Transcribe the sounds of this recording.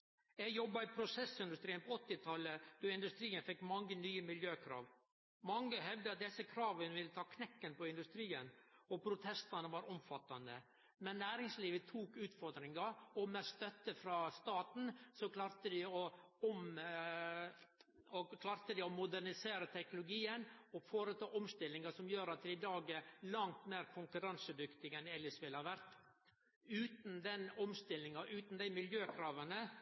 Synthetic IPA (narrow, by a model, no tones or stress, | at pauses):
jɛɡjɔbːɑɪpʰɾʊsɛsɪnd̪ʉst̪ɾiːənpʰɔɔt̪ːɪt̪ʰɑləd̪̥ɔɪnd̪ʉst̪ɾiːənfɛkːmɑŋːənyːəmɪljøːkʰɾɑ̰ːʋ | mɑŋːəɦɛʋd̪əɑt̪̚d̪ɛsːəkʰɾɑːʋənʋɪlːət̪ʰɑːkʰnɛkːənpɔɪnd̪ʉst̪ɾiːənɔpʰɾʊt̪ʰɛst̪ɑnəʋɑɾɔmfɑt̪ːɑnd̪ə̰ | mɛnːæːɾɪŋsliːʋət̪ʰuːkʉːt̪fɔɾd̪ɾɪŋɑɔmɛst̪œt̪ːəfɾɑːst̪ɑːt̪n̩sɔkʰlɑːɾt̪əd̪ɪɔɔm | ɔkʰlɑːɾt̪əd̪ɪɔmʊd̪æɾnɪseːɾət̪ʰɛknʊlʊɡiːənɔfoːɾət̪ʰɑːʔɔmst̪ɪlːɪŋɑsɔmjøːɾɑt̪̚d̪ɪɪd̪ɑːɡɛɾlɑŋt̪meːɾkʰʊŋkʉɾɑnsəd̪ʏkt̪ɪɡɛnɛlːəʂʋɪlhɑɾʋæɾt̪ | ʉːt̪n̩d̪ɛnɔmst̪ɪlːɪŋɑʔʉːt̪nd̪æɪmɪljøːkʰɾɑːʋənə